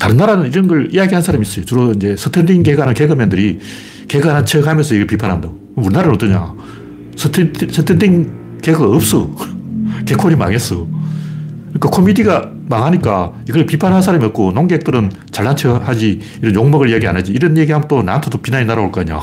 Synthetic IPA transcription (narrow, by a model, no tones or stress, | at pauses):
taɾɯnːaɾanɯniɾʌnɡʌɭijaɡiɦansʰaɾamis͈ʌjot͡ɕuɾoind͡ʑe̞sʰɯtʰendiŋɡeɡanɯnkeɡɯmjendɯɾi | keɡanant͡ɕʰeɡamjʌnsʰʌiɡʌɭpipʰanɦanda | muɾnːaɾanot͈ɯɲa̰ | stʰsʰet̪ʰendiŋ | keɡɯaʌp̚s͈ʌ | kekʰoɾima̰ŋes͈ʌ | kɯɲik͈akʰomidiɡa | maŋɦaɲik͈a | iɡʌɭpipʰanɦansʰaɾamiʌt̚k͈onoŋɡek̚t͈ɯɾɯn | t͡ɕaɭːant͡ɕʰehad͡ʑi | iɾʌnjoŋmʌɡɯɭijaɡia̰nad͡ʑiːɾʌnje̞ɡiɦamnt͈ona̰ntʰodopinaɲinaɾaoɭk͈aɲa̰